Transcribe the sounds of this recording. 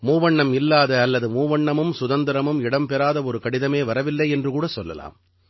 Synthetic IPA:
muːʋɐɳːɐmɪlːaːðɐːlːɐðɯmuːʋɐɳːɐmɯmsʊðɐnd̪ɪɾɐmɯmɪɽɐmpɛɾaːðɐɔɾɯkɐɽɪðɐmeːʋɐɾɐʋɪlːɐɪɛndrɯkuːɽɐsɔlːɐ̰la̰ːm

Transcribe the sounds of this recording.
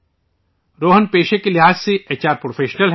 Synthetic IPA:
ɾoːɦənpeːʃekelɪɦaːzseeːt͡ʃaːɾpɾoːfʰeːʃnəlɦ

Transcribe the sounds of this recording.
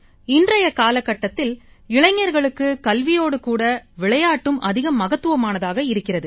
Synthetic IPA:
ɪndrɐjɐkaːlɐkːɐʈːɐt̪ːɪlɪɭɐɪŋːɐɾɣɐɭɯkːɯkɐlʋɪjoːɽɯkuːɽɐʋɪɭɐjaːʈːɯmʔɐðɪɣɐmːɐɣɐt̪ːɯʋɐmaːnɐðaːɣɐɪɾɯkːɪrɐðɯ

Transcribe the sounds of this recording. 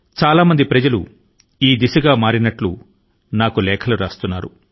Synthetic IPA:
t͡ʃaːlaːmɐnd̪ipɾɐd͡ʒɐlṵ | iːd̪isɐɡaːmaːɾinɐʈlṵ | naːkulɛːkʰɐluɾaːst̪unːaːɾṵ

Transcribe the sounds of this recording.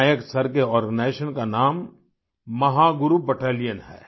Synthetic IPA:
jəksɐɾkeɔːɾɡənaːʃənkanaːmː | ɐɦaɡʊɾubɐʈaːlijənɦɛ̰ː

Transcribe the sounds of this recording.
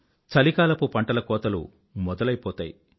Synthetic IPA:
t͡ʃɐlikaːlɐpupɐɳʈɐlɐkɔːt̪ɐlṵ | mɔd̪ɐlɐjpɔːt̪aːji

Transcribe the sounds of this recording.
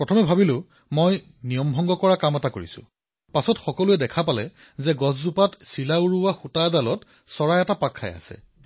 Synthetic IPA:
pɹɔtʰɔmɛbʱabilʊ | moj | nijɔmbʱɔŋɡɔkɔɹakamɛtako̰ɹḭsʊ̰̃ | pasɔtxɔkɔluɛdɛkʰapalɛ | zɛɡɔzzupatsilauɹuwaxutajdalɔt | sɔɹajɛtapakʰːa̰ja̰sɛ̰

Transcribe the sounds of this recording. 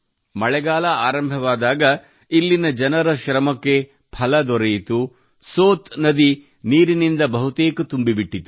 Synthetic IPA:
mɐɭɛɡaːlɐaːɾɐmbʱɐʋaːd̪aːɡɐ | ilːinɐd͡ʒɐnɐɾɐʃɾɐmɐkːe̞ | pʰɐlɐd̪ɔɾɐjit̪u | soːt̪nɐd̪i | niːɾinind̪ɐbɐɦut̪eːkɐt̪umbibiʈːit̪u̥

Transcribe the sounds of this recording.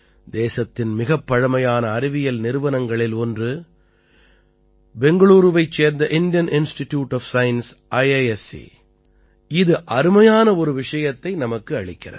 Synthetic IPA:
d̪eːsɐt̪ːɪnmɪɣɐpːɐɻɐmɐjaːnɐːɾɪʋɪjɐlnɪɾɯʋɐnɐŋɡɐɭɪlɔndrɯ | bɛŋɡɐɭuːɾɯʋɐɪt͡ʃːeːɾnd̪ɐʔɪnd̪jɐnʔɪnsʈɪʈjuːʈːɔfsɐjnsʔɐɪɐɛsḭ | ɪðɯʔɐɾɯmɐjaːnɐɔɾɯʋɪʂɐjɐt̪ːɐɪnɐmɐkːɯɐɻɪkːɪrɐ̰

